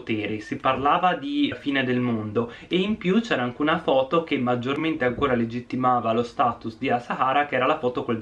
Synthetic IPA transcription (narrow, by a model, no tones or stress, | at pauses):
t̪ɛːɾisiparlaːvad̪ifiːned̪elmond̪o | eimpjut͡ʃɛːɾaaŋkeunafɔːt̪okemːad͡ʒːorment̪eaŋkoːɾaled͡ʒit̪ːimaːvalost̪aːt̪usd̪iasaɦaːɾakeɛːɾalafɔːt̪okol